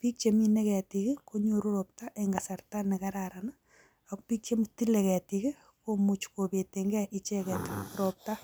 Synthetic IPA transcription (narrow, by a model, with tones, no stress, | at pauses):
pi˦k̚t͡ʃe˨mi˦ne˦kɛ˨tikɪ˦ko˦ɲoɾu˦ɾop̚ta˦ʔeŋɡa˨sa˨rta˦nɛ˨kaɾaɾana | akpi˦k̚t͡ʃe˦mti˦le˨kɛ˨tiki˦ | komut͡ʃko˨pe˨teŋɡɛʔɪ˦t͡ʃɛ˦kɛ˨tɾop̚ta